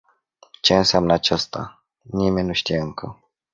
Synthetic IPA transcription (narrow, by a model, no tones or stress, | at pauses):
t͡ʃe̞ɨnsamnəat͡ʃast̪a̰ | nime̞nʲnuʃt̪ijeɨŋkʰə̰